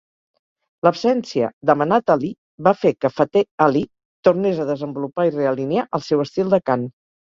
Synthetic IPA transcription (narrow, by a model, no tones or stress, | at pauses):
ləpsɛnsiə̰d̪əmənat̪ali | βafekəfat̪eali | t̪urnezəðəzəmbulupaireəlineaʔəlˠsɛwəst̪ilˠd̪əkan